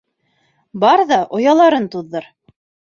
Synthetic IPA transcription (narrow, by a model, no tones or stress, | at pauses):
bɑɾðɑʔŏjɑlˠɑɾɤnt̪uðːɤɾ